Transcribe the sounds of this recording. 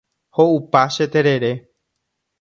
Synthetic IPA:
houpaʃet̪eɾe̞ɾe̞

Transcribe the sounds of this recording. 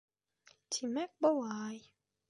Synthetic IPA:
tʰimɛk̚bɔwaːj

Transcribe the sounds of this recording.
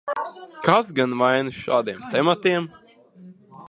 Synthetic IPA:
kʰasɡanvajnɨʃaːd̪iɛmt̪ɛmat̪iɛm

